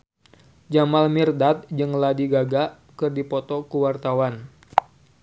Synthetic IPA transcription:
d͡ʒamalmirdat̪̚d͡ʒɨŋladiɡaɡaʔ | kɨrdipɔt̪ɔkuwart̪awan

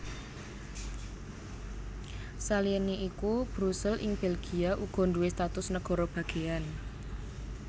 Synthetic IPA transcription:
saliəneʔikub̥ɾusɛlʔɪ̰ŋb̥elɡ̥iaʔuɡ̥ɔ̤ɳduest̪at̪ʊsnəɡ̥ɔ̤ɾɔb̥ä̤ɡ̥e̤an

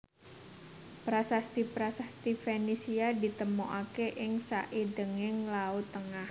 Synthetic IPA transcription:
pɾasast̪ipɾasast̪ifenisiadit̪əmoʔakeʔɪŋsa̰ʔidəŋɪŋlaut̪ːəŋah

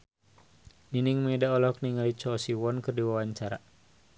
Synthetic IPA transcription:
niniŋmɛdaɔlɔk̚niŋalit͡ʃɔːsiwɔnkɨrdiwawaɲt͡ʃaɾa

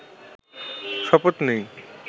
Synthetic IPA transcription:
ʃɔpot̪nej

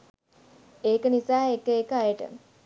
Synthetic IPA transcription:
eːkənisaːekəekəajəʈə̰

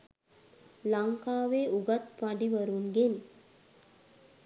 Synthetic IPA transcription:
laŋkaːʋeːuɡat̪ʋaɖiʋəɾunɡen

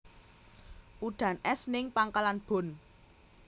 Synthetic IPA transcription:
ʔuɖ̪̥a̤nɛsnɪŋpaŋkalanb̥o̤n

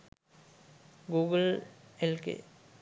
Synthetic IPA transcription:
ɡuːɡəlelkḛ

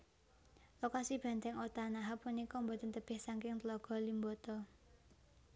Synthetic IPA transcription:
lokasib̥ä̤nt̪ɛŋot̪anaɦapunikɔmbɔt̪ənt̪əb̥ɪhsaŋkɪŋt̪lɔɡ̥ɔ̤limbɔt̪ɔ

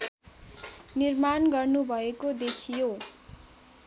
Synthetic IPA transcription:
nirmanɡʌrnubʱʌekod̪ekʰijo

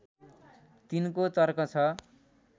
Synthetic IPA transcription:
t̪inkot̪ʌrkʌt͡sʰʌ

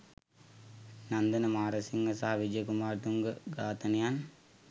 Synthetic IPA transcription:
nɐnd̪ɐnɐmaːɾɐsiŋɡɐsaːʋid͡ʒɐjkumaːɾt̪uŋɡɐɡaːt̪ɐnijaːn

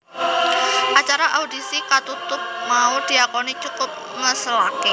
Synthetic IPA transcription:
ʔat͡ʃaɾaʔaudisikat̪ut̪ʊp̚maud̥iakonit͡ʃukʊp̚ŋəsəlaki

